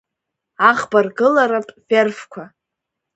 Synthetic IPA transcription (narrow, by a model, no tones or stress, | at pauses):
aʁbarɡɨlaɾapʼverfkʷʰa